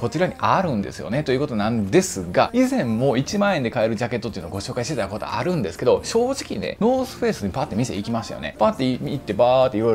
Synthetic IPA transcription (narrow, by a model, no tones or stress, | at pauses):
ko̞t͡ɕiɾaɲ̟iʔaɾɯ̟̃nd̪e̞̰sɨjo̞̰ne̞t̪o̞iɯ̟ko̞t̪o̞nãnd̪e̞sɨɡaizẽ̞mmo̞ːit͡ɕimãːẽ̞nd̪e̞kaeɾɯ̟ʑake̞t̪ːot̪oiɯnoɡo̞ɕo̞ːkaiɕi̥t̪et̪ako̞t̪o̞̰aɾɯ̟̃nd̪e̞sɨ̥ke̞d̪o̞ɕo̞ːʑikʲine̞̰no̞ːsɨ̥ɸe̞ːsɨɲ̟ipat̪ːe̞mʲisḛikʲimaɕt̪a̰jo̰ne̞̰paːt̪ːeiit̪ːe̞baːt̪ːe̞iɾoj